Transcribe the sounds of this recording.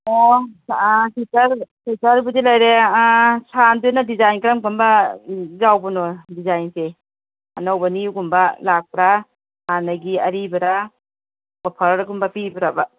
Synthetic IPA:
ɔ | sitɐɾsitɐɾbudilajɾeasandunadizajnkɾamkɔmbɐzawbɐnɔdizajnse | a̰nawbɐniuɡumbɐlak̚pɾa | hanaɡiɐɾibɐɾa | bapʰaɾɾɡumbɐpibɐɾaba

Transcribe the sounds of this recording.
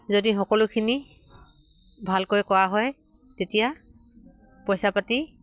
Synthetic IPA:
zodixɔkɔlʊkʰini | bʱalkojkɔwaɦɔj | tetija | pɔjsapati

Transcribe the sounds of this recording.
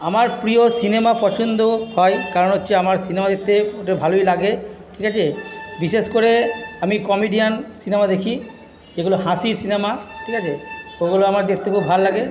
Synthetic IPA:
amaɾpɾijosinemapɔt͡ʃʰond̪ohɔjkaɾɔnotːʃʰeamaɾsinemad̪ek̚ʰt̪eoʈebʱalojlaɡeʈʰikat͡ʃʰebiseskoɾeamikɔmiɖijansinemad̪ekʰi | d͡ʒeɡuloɦãsiɾsinemaʈʰikat͡ʃʰeoɡuloamaɾd̪ek̚ʰt̪ekʰubʱalːaɡe

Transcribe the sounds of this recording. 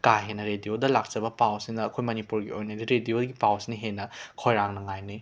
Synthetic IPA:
kaɦenːɐɾediodɐlak̚t͡ʃɐbɐpawsiŋnɐːkʰojmɐnipuɾɡiojnɐdiɾedioɡipawsiniɦenːɐkʰojɾaŋnɐŋajni

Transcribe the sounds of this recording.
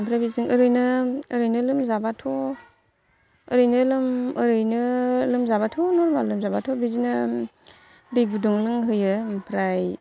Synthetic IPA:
mpʰɾajbisiŋəɾɯjnɯːɾɯjnɯlɯmzabatʰɔ | əɾɯjnɯlɯməɾɯjnɯlɯmzabatʰɔnɔɾmalɯmzabatʰɔbizina | dibuduŋlɯŋɦɯjɯpʰɾaj

